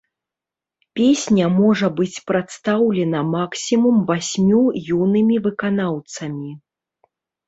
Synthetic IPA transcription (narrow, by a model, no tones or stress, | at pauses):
pʲesʲnʲɐmɔʐɐbɨt͡sʲpɾat̪st̪awlʲɛnɐmaksʲimumvasʲmʲujunɨmʲivɨkanawt̪sɐmʲi